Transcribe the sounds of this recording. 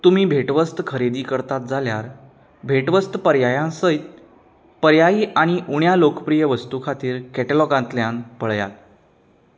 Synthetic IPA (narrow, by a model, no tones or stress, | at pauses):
t̪um̤iːbʱeʈʋəst̪kʰəɾed̪iːkəɾt̪at̪̚d͡zʱaljaɾ | bʱeʈʋəst̪əpəɾjajãsəjt̪̚ | pəɾjajiːʔaɽ̃iʔuɳjalokəpɾijəʋəst̪ukʰat̪iːɾkɛʈelɔɡãnt̪ljanpəɭja̰t̪̚